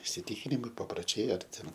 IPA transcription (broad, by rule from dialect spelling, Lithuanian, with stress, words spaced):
ɪsʲɪˈtʲɪkʲɪnʲɪmɐɪ pɐproːˈt͡ʃʲɛɪ ɐr ˈtʲɛn